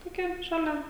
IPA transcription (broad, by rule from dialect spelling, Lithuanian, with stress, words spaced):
toːˈkʲɛ ʃɐˈlʲɛ